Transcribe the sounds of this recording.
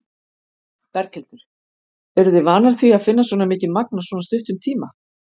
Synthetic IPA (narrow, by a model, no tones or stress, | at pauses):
pɛɾcʰɛlt̪ɪɾ̥ | ɛɾðɪvaːnalθviaðfɪnːasɔːnamɪːcɪmak̚nasvɔːnast̪ʏht̪ʏmt̪ʰiːma